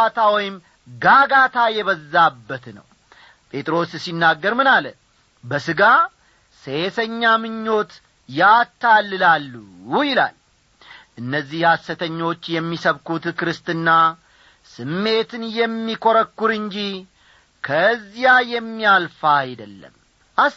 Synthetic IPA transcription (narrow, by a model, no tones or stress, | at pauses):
at̪ʰawɔjɪm | ɡaɡat̪ʰajɛβəzːabːət̪nə̰w | pʼʰe̞t̪ʼɾo̞ssinːaɡːəɾmɨnalə | bəsɨɡa | sesəɲːamɨɲːo̞t̪ | jat̪ːalːɨlalːujɪla̰l | ʔɨnːəzːihhasːət̪ʰəɲːo̞t͡ʃːjɛmːisəβkut̪kɨɾɨst̪ɨnːa | sɨmːe̞t̪ɨnjɛmːikʰoɾəkːʊɾɨɲd͡ʒi | kʰəzːijajɛmːialfajd̪əlːə̰m | ʔa